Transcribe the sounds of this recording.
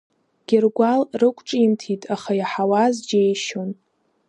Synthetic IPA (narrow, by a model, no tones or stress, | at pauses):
ɡ̥ʲɪrɡʷalrɨkʷʼʈ͡ʂʼimtʰitʼaχajaħawazd͡ʒejʃon